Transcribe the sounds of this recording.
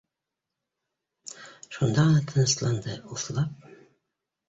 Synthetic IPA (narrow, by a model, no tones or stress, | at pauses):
ʃund̪ɑʁnɑt̪ʰɤ̆nɤ̆slˠɑnd̪ɤuθlˠɑp̚